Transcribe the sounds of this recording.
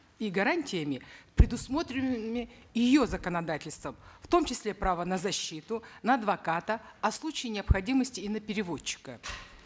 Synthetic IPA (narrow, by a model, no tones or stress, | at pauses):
iɡɐɾanʲtʲɪjəmʲɪpɾʲɪd̪ʊsmo̞t̪ɾʲɪnɨmʲɪjɪjo̞zəkənɐd̪atʲɪlʲst̪vəmft̪o̞mt͡ɕɪsʲlʲe̞pɾavənəzɐɕːit̪ʊnəːd̪vɐkat̪əɐslˠut͡ɕɪjɪnʲɪɐpxɐdʲiməsʲtʲɪːnəpʲɪɾʲɪvo̞t͡ɕːɪ̥kə